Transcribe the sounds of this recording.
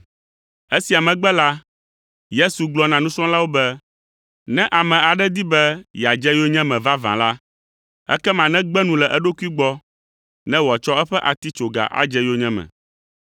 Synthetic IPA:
ɛ˦si˨a˨mɛ̃˨ɡ͡bɛ˦la˦ | je˦su˨ɡ͡blɔ˦nã˨nũ˦sɔ̃˦la˦wo˦bɛ˦ | nɛ̃˦ʔa˨mɛ̃˨a˨ɖɛ˦d̪i˦bɛ˦jɛ˨a˨d͡ʒɛ˦jo˦ɲɛ̃˦mɛ̃˨va˦vã̰˨la˦ | ɛ̰˦kɛ˦mã˨nɛ̃˦ɡ͡bɛ˦nũ˦lɛ˨ʔɛ˦ɖo˦ku˦i˦ɡ͡bɔ˦ | nɛ̃˦wɔ˨t͡ʃɔ˦ɛ˦ɸɛ˦ʔa˨t̪i˦t͡ʃo˨ɡa̰˨ʔa̰˦d͡ʒɛ˦jo˦ɲɛ̃˦mɛ̰̃˨

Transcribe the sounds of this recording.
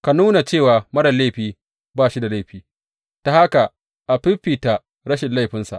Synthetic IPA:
ka˨nuː˦na˨t͡ʃeː˦˨waː˨mɐ˦ɽɐ˨le˦˨ɸiː˨ | baː˦˨ʃi˦da˨la˦˨ɸiː˨˦ | ta˨ha˦ka˨ | ʔa˨ɸɪ˦ɸːiː˨ta˨ | ɽɐ˦ʃɪ˨nla˦˨jɸɪ˦nsa̰˨ʔ

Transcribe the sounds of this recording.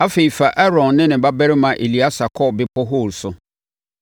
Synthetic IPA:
a˦fe˨i˨fa˨ʔɛ˦ɾɔ̃˨nːɪ̃˦nɪ̃˨ba˦bɛ˦ɾɪ˦mã˨ʔe˨li˨a˦sa˨kʰɔ˦˨bɪ˦pʰɔ˦ɦʊ˦˨lsʊ˨

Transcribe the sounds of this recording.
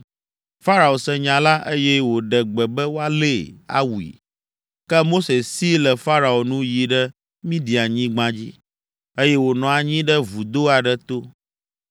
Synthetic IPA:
fa˦ɾa˨o˨sɛ˨ɲã˨la˦ʔe˦jɛ˦wo˨ɖɛ˨ɡ͡bɛ˨bɛ˦wo˦a˦le˦˨a̰˦wu˨ḭ˨ | kɛ˦mo˦se˨si˦lɛ˨fa˦ɾa˨o˨nũ˦ji˨ɖɛ˦ | mĩ˦di˨a˨ɲĩ˦ɡ͡bã˦d͡ʑḭ˦ | e˦jɛ˦wo˨nɔ̃˨a˨ɲĩ˦ɖɛ˦vu˨d̪o˦a˨ɖɛ˦t̪o˦

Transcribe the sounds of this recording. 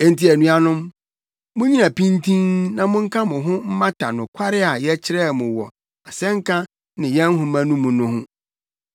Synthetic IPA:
e˦n̩˦ti˦æ˨nũ˦a˦nʊ̃˦m | mʊ̃˦ɲĩ˦nã˨pʰĩ˦n˦tʰĩ˦nnã˨mʊ̃˦ŋ̩˦kʰã˦mʊ̃˨ɦʊ̃˦m̩˦mã˦tʰa˨nʊ̃˨kʷʰa˦ɾɪ˦a˨jɛ˦t͡ɕʰɪ˦ɾɛ˦˨mʊ̃˨wɔ˨ | a˨sɛ̃˦ŋ̩˦kʰã˦ | nɪ̃˨jɛ̃˦n˦ɦʊ̃˦mã˦nũ˦mʊ̃˨nʊ̃˨hʊ̃˦

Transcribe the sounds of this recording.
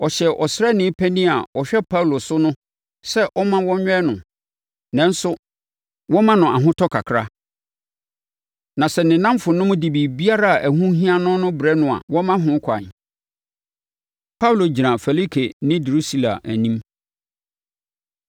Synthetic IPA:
ɔ˨ɕɛ˨ʔɔ˨sɾɛ˦nɪ̃˦pʰæ˦nĩ˦a˨ɔ˨ɕᶣɛ˦pʰa˦wu˨lo˨sʊ˦nʊ̃˦ | sɛ˦ʔɔ˦mã˦wɔ̃˦ɲᶣ˦ɛ˦nʊ̃˨ | nɛ̃˦n˦sʊ˦ | wɔ̃˦mã˦nʊ̃˨a˨ɦʊ̃˦tʰɔ˦kʰa˨kʰɾa˦ | nã˨sɛ˨nɪ̃˨nã˦mfʊ˨nʊ̃˦mʊ̃˦di˨bi˨bi˦a˦ɾa˦a˨ʔæ˨hũ˦ɦĩ˦a˦nʊ̃˦nʊ̃˦bɾɛ˦nʊ̃˨a̰˨wɔ̃˦mã˦ɦʊ̃˨˦kʰa˨n˨ | pʰa˦wlo˨d͡ʑi˨ɾã˨fɛ˨li˦kʰe˨nɪ̃˦du˨ɾu˦si˦la̰˨æ̰˨nĩ˦m

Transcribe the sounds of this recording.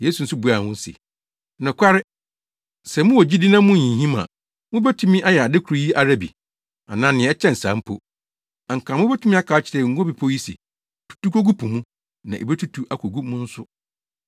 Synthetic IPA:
je˨˦su˨n̩˦sʊ˦bu˨˦a˨ʊ̃˦n˦sḛ˨ | nʊ̃˨kʷʰa˦ɾɪ˦ | sɛ˨mʊ̃˦wɔ˨d͡ʑi˦di˦nã˦mũ˦ɲĩ˨ɦĩ˦mã̰˨ | mʊ̃˦bɛ˦tʰũ˦mĩ˦ʔa˦jɛ˨a˨dɪ˦kʰu˨ɾi˦ji˦ʔa˨ɾa˦bḭ˨ | a̰˨nãː˦nɪ̃˨ɛ˦t͡ɕʰɛ̃˦n̩˨sã̰ː˨˦m̩˦pʰo̰˦˨ | a˨ŋ̩˨kʰã˨m˦ʊ̃˦bɛ˦tu˦mĩ˦a˦kʰa˨˦t͡ɕʰɪ˨ɾɛ˨ŋ̩˦ɡo˦bi˨pʰo˦ji˦sḭ˨ | tʰu̥˨tu˦kʰo˦ɡu˦pʰũ˨mũ˦ | nã˨ʔe˨be˦tʰu˦tʰu˦ʔa˨kʰo˨ɡu˦mʊ̃˦n̩˦sʊ˦

